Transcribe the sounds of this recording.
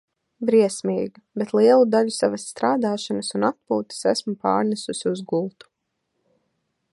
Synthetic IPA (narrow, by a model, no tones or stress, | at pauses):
bɾiɛsmiːɡibet̪lˠiɛlˠud̪aʎusavasːt̪ɾaːd̪aːʃanasunat̪̚puːt̪i̥sæ̰smupa̰ːɾnɛsusiuzɡulˠt̪u̥